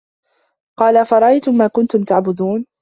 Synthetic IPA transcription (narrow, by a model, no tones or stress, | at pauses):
qɑːlafɑɾˤɑʔajt̪ʊmːaːkʊnt̪ʊmt̪aʕbʊd̪uːn